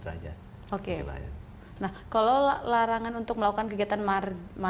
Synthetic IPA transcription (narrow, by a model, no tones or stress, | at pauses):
ad͡ʒa̰ | okea̰j̰ | nahkaloalaɾaŋanunt̪ʊk̚məlakukankəɡiat̪anmarma